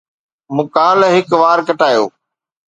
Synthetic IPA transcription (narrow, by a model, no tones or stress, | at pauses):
mʊkaːlɦɪkʋaːɾkɐʈaːjo̰ː